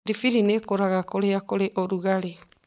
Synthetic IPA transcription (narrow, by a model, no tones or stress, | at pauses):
ɾifiɾinekoɾaɣakoɾeakoɾeʔoɾuɣale